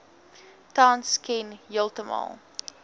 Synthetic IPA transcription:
tɑːnskʰɛnjəlˠtəmɑ̰lˠ

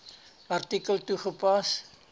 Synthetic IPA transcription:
ɐrtikəltuχəpɐs

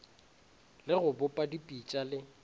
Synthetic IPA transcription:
lɪɣʊbʊpʼadipʼit͡ʃʼalɪ

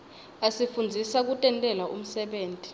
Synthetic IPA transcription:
asifund͡zʱisak̬utʼɛntʼɛlaʔṵm̩sɛɓeːntʼi̥

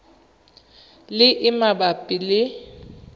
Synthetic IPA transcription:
lɪʔɪmabapʼilɪ

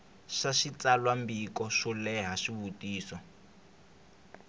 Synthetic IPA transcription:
ʃaʃit͡salwambikɔʃɔlɛɦaʃiβutiːsɔ

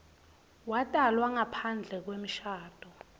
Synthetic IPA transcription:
watʼalwaŋapʰand͡ɮʱɛk̬wem̩ʃaːd̥ʱʼɔ

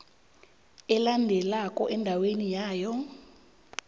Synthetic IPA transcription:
ɛlandʱɛlakʼɔʔɛndʱawenijaːjɔ

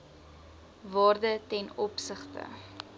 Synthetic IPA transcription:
vɑːrdətɛnɔpsəχtə̰

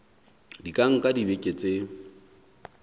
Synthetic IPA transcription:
dikʼaŋ̩kʼadibekʼet͡sʼe

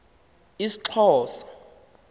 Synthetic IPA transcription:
isi̥ǁʰɔːsḁ

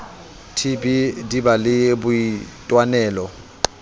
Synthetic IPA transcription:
tʰibʱidibalɪbʊitʼwanɛːlɔ

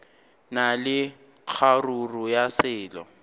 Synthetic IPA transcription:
nalɪ | q͡χʰarurʊjasɪːlɔ̰

